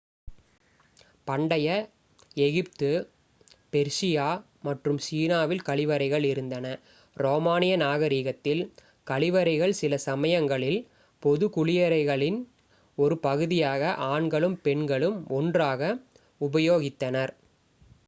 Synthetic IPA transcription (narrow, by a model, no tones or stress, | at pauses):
pɐɳɖɐjɐ | ɛɣɪp̚t̪ɯ | pɛɾʂɪjaː | mɐʈrɯmsiːnaːʋɪlkɐɭɪʋɐɾɐɪɣɐɭɪɾɯnd̪ɐnɐ | ɾoːmaːnɪjɐnaːɣɐɾiːɣɐt̪ːɪl | kɐɭɪʋɐɾɐɪɣɐɭsɪlɐsɐmɐjɐŋɡɐɭɪl | pɔðɯkʊɭɪjɐɾɐɪɣɐɭɪn | ɔɾɯpɐɣɯðɪjaːɣɐʔaːɳɡɐɭɯmpɛɳɡɐɭɯmɔndraːɣɐ | ʊbɐjoːɣɪt̪ːɐnɐɾ